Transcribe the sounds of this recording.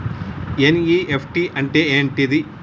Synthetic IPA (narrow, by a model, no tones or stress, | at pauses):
eniːʔepʰʈiʔɐɳʈeeːɳʈid̪i